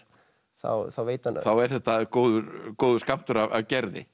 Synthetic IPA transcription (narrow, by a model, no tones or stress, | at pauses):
θa̰wθawveːjt̪anθawɛɾ̥θɛht̪akoːwðʏkoːwðʏskam̥t̪ʏɾava̰vcɛɾðɪ̰